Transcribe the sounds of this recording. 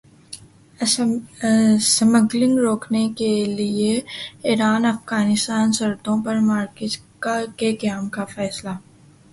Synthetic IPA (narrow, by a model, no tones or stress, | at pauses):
sməɡlɪ̃ŋɡɾoːknekelieiːɾaːnɐfɡaːnɪst̪aːnsɐɾt̪õpɐɾmaːɾkɪtkakekɐjaːmkafɛːsla